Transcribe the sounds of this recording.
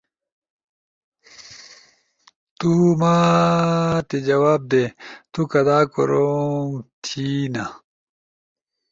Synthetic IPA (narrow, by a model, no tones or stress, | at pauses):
t̪umaː | t̪ed͡ʑɐwaːb̚d̪eːt̪ukɐd̪aːko̰ɾoŋt̪ʰina